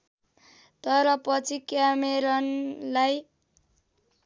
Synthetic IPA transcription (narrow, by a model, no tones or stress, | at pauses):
t̪ʌɾʌpʌt͡sʰikjameɾʌnlaj